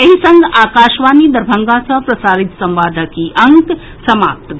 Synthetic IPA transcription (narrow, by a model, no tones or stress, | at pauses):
ɐɦisəŋɡaːkaːʃʋaːnid̪əɾbʱəŋɡasəpɾɐsaːɾit̪sɐmʋaːd̪ʱəkiʔɐŋk | sɐmaːp̚t̪